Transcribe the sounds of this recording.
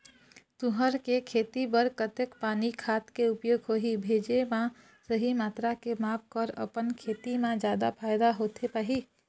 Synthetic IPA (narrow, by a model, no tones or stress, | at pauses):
t̪uɦəɾkekʰeːt̪ibəɾkət̪ekpaːnikʰaːt̪keupjoːɡɦoɦibʱeːd͡ʒemã | səɦimaːt̪ɾakemaːp̚ʰkɔɾə̰pənkʰet̪imãd͡ʒjad̪apʰajd̪aɦot̪ʰepaɦi